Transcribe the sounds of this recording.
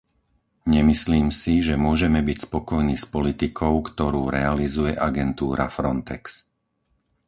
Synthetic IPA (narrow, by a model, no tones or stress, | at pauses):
ɲɛmisliːmsiʒɛmʊɔʒɛmɛbicspɔkɔjniːspɔlit̪ikʰɔʊkt̪ɔɾuːɾɛalizujɛʔaɡɛnt̪uːɾʔa̰fɾɔnt̪ɛks